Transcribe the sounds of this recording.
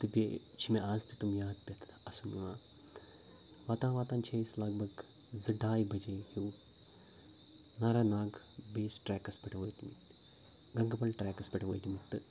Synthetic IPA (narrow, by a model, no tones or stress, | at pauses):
t̪ɨbʲe | t͡ʃʰimeʔaːzt̪it̪umjaːd̪̚pʲɐt̪ʰt̪ɐsunʋãː | ʋaːt̪ãːʋaːt̪ãːnt͡ʃʰejslɐɡbʱɐɡ | zɨɖaːjbʱɐd͡ʒehiw | naɾaːnaːɡ | beːsʈɾɛːkɐspɐʈʰɐʋoːjt̪imiʈ | ɡɐŋɡɐpɐlʈɾɛːkɐspʲɐʈɐʋoːjt̪imiʈt̪ːɨ